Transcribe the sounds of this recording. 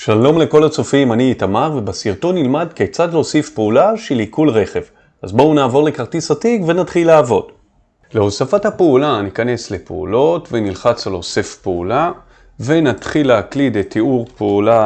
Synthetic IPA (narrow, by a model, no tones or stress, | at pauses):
ʃalo̞mle̞ko̞lat͡sofimaniːtamaʁvebasiʁto̞nːilmadkekt͡sad̪losifpeulaʃelikulʁe̞χe̞v | azbounaːvo̞ʁle̞kaʁtisatikve̞natχilaːvo̞d | leo̞safathapeulanikane̞sle̞pḛṵlo̞tve̞nilχat͡salosefpeula | ve̞nat̪χilehaklidetʰːiuʁpeula